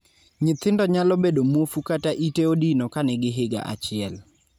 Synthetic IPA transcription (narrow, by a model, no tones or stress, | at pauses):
ɲɪt̪ɪndɔɲalɔbedomwofukataʔiteodinokanɛɡɪɦɪɡa̰ʔa̰t͡ʃɪɛl